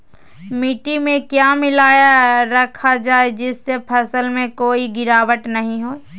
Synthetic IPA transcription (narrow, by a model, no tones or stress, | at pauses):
mɪʈimẽkjaːmɪlaːjaɾəkʰad͡ʒaːed͡ʒɪsːepʰəsəlmẽkoːiɡɪɾaːʋəʈnɐɦĩɦoː